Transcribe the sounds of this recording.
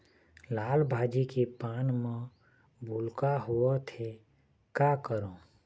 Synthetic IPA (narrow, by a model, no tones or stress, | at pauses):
laːlbʱaːd͡ʒikepaːnmẽ | bʱulkaɦuot̪ʰe | kakəɾõ